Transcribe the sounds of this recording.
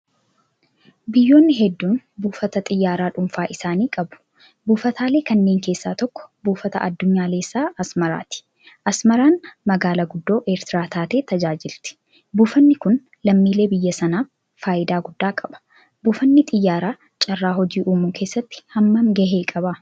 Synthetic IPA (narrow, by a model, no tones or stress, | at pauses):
bɪjːo̞ːnːɪɦɛd̪ːuːnbuːfɐt̪ɐt̪ʼɪjːaːɾaːᶑʊmfaːʔɪsaːniːkʼɐbʊ̥ | buːfɐt̪ʰaːle̞ːkɐnːe̞ːŋke̞ːsːaːt̪ɔkːɔ̥buːfɐt̪ɐ̰ʔɐd̪ːʊɲːaːleːsːaːʔɐsmɐɾa̰ːt̪ɪ̥ | ʔɐsmɐɾaːnmɐɡaːlɐɡʊd̪ːo̞ːʔeːɾt̪ɪɾaːt̪ʰaːt̪e̞ːt̪ɐd͡ʒaːd͡ʒɪlt̪ɪ̥ | buːfɐnːɪkʊn | lɐmːiːle̞ːbɪjːɐsɐnaː | faːʔɪd̪aːɡʊd̪ːaːkʼɐbɐ̥ | buːfɐnːɪt̪ʼɪjːaːɾaː | t͡ʃʼɐrːaːɦɔd͡ʒiːʔuːmuːkʰe̞ːsːɐt̪ːɪ̥hɐmːɐmɡɐɦeːkʼɐbɐ